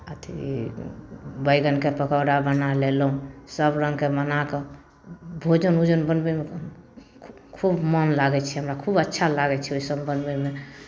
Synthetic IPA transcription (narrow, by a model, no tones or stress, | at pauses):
ət̪ʰḭ | bəɪɡənkepəkəʊɽabənalelɦũsəbɾə̃ŋɡkemənake | bʱod͡ʒənud͡ʒənbənbɛme | kʰubmənlaɡɛt͡ʃʰɛɦəmɾakʰubətːʃʰalaɡɛt͡ʃʰɛoisəbbənbɛme